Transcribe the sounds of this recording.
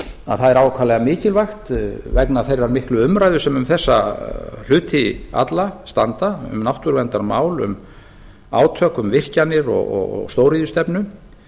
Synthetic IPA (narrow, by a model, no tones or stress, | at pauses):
a̰ðθaðɛɾawkʰvalɛɣamɪːcɪlvajxt̪vɛknaθejɾaɾmɪhklʏʏmɾajðʏsɛmʏmθɛsːa̰l̥ʏːt̪ʰɪa̰t̪last̪ant̪aʏ̰mnawht̪ʏɾvɛnt̪aɾmaːwlʏ̰m | a̰ːwt̪ʰœːkʏmvɪr̥canɪɾɔ̰ɣɔ̰ɣ̰st̪owɾiðʏst̪ɛpnʏ